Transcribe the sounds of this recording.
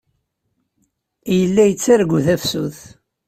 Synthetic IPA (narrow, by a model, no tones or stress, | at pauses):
jəlːæjət͡sːaɾɡʷuθæfsṵθ